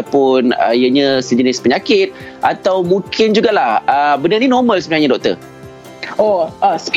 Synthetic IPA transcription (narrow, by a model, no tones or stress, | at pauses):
pʊnə̰ijəɲə̃səd͡ʒənɪspəɲakɪt̪̚ | ʔat̪awmũŋkʰɪnd͡ʒuɡalahəbənərninɔrmə̃lsəbənajɲə̃dɔk̚t̪ə̰ | oəs